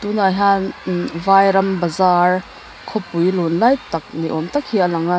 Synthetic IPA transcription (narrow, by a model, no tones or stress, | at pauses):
t̪unajɦanvajɾɐmbɐzaɾ | kʰɔpujlonlajtak̚niʔɔmtakʰhialɐŋa